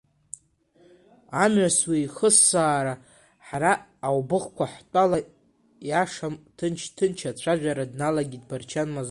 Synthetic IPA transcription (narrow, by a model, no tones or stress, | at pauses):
amʕaswiːχəsːaːɾa | ħaɾaːwbɨχkʷʰaħtʼala | jaʂamtʰɨnt͡ʃʰtʰɨnt͡ʃʰat͡ɕʷʰaʒᶣʷaɾadnalaɡʲidbart͡ʃʰanmaz